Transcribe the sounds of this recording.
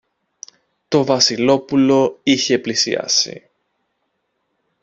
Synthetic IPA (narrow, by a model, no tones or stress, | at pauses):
t̪o̞vɐsilo̞pulo̞içeplisḭɐ̰sḭ